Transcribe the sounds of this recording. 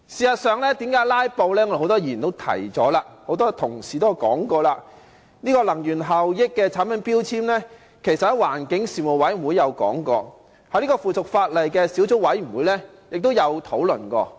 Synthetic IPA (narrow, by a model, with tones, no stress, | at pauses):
siː˨sɐ˨t̚sœː˨ŋlɛː˥t̪iː˨˥mkaː˨˥jlaː˥jpo˧wlɛː˥ŋɔ˧de˧hwt̪ɔː˥jiː˨˩nt̪o˥wt̪ʰɐ̰˨˩jt͡sɔː˨˥laː˧ho˧˥wt̪̬ɔː˥t̪ʰʊ˨˩ŋsiː˨˩t̪o˥jɐ˨˧wkɔː˨˥ŋkɔː˧laː˧ | niː˥kɔː˧lɐ˨˩ŋjyː˨˩nɦɐ˨˩wjɪ˥kːɛː˧t͡sʰaː˨˥npʰɐ˨˥npiː˥wt͡sʰiː˥mlɛː˥ | kʰe˨˩jsɐ˨t̚hɐ˨˥waː˨˩nkɪ˨˥ŋsiː˨˩mu˨˩wɐ˨˥jm̩˨˩wu˨˧jːɐ˨˧wkɔ̰ː˨˥ŋkɔː˧ | hjliː˥kɔː˧fuː˨t͡sʰʊ˨k̚faː˧t̚lɐ˨jkɛː˧si˨˥wt͡sʊ˥kwɐ˨˥jm̩˨˩wuː˨˧jlɛ˥ | jɪ˨k̚t̪o˥wjɐ˨˧wt̪ʰo˨˥wlɵ̰˨˩nkɔ̰ː˧